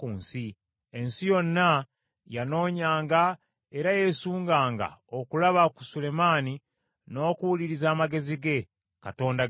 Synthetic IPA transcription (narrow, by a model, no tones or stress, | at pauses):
kuːnsi | e̞nsijo̞nːa | jano̞ːɲaːŋɡa | e̞ɾaje̞suːŋɡaːŋɡa̰okulaβaku̥sule̞maːni | no̞ːkuwuliɾizaːmaɡe̞ziɡe̞ | kato̞ːnda